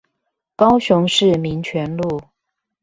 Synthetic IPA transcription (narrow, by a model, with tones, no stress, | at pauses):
kɑ˦ʊɕʊ˧˦ŋʂɻ̩˥˩mi˧˥ŋt͡ɕʰɥɛ˧˥nlu˥˨